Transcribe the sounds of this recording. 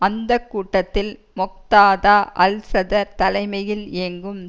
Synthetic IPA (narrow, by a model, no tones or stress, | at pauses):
ɐnd̪ɐkːuːʈːɐt̪ːɪl | mɔk̚t̪aːðaːʔɐ̰lsɐðɐɾt̪ɐlɐɪmɐjɪleːŋɡɯm